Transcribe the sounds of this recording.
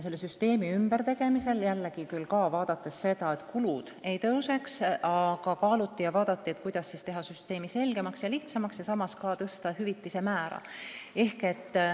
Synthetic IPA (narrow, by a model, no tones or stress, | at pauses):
se̞lːesyst̪e̞ːmiymbeɾt̪e̞ɡ̥e̞mise̞ljælːeɡ̥ikylːkɑːvɑːd̪̥ɑt̪ːˑesːe̞d̪ɑe̞t̪kulud̪̥e̞jt̪ɤwse̞ksɑɡ̥ɑkɑːlut̪ːijɑvɑːd̪̥ɑt̪ːie̞t̪kujd̪̥ɑsːiːst̪e̞ɦɑsyst̪e̞ːmise̞lɡ̥e̞mɑksjɑliht̪sɑmɑksjɑsɑmɑskɑːt̪ɤst̪ɑhyvit̪ːˑise̞mæːɾɑ̰e̞hke̞t̪ː